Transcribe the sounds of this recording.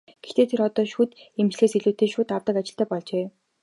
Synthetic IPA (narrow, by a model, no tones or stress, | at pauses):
ɡ̥ext̪eːt̪ʰeɾɔt̪ɔːʃuːt̪emt͡ɕɮeːsiɮuːt̪eːʃuːt̪awt̪ə̆kat͡ɕɪ̆ɬt̪æːpɔɮt͡ɕeː